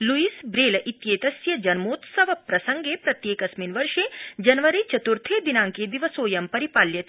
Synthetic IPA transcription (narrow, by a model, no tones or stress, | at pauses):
luiːsbɾeːlʔit̪jeːt̪ɐsjɐd͡ʒɐnmoːt̪sɐʋɐpɾɐsɐŋɡeːpɾɐt̪jeːkɐsminʋɐɾʂeːd͡ʒɐnʋɐɾit͡ʃɐt̪uɾt̪ʰeːd̪inãːŋked̪iʋɐsoːjɐmpɐɾipaːljɐt̪